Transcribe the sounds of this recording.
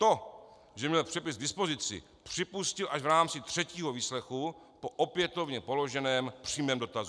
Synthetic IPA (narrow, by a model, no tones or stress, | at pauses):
t̪o̞ | ʒɛmɲɛlpr̥ɛpɪzɡdɪspo̞zɪt͡sɪ̰ | pr̝̥ɪpuscɪlʔaʒvɾaːmt͡sɪt̪r̝̥ɛciːɦo̞viːslɛxu | po̞ʔopjɛt̪o̞vɲɛpo̞lo̞ʒɛnɛːmpr̥iːmɛːmdo̞t̪azu